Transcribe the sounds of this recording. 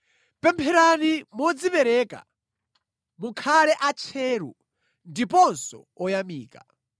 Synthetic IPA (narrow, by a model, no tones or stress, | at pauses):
pɛmpʰɛɾanimɔd͡zipɛɾɛːka̰ | mukʰalɛʔat͡ʃʰɛːɾṵ | ndipɔnsɔ̰ | ɔjamiːkḁ̰